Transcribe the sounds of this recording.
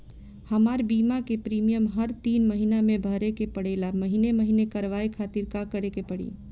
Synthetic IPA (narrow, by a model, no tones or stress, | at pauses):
həmaɾbiːmakepɾiːmijəmɦəɾt̪iːnməɦinamẽbʱəɾekepəɽeːlaməɦineməɦinekəɾʋaekʰaːt̪iɾkakəɾekepəɽḭː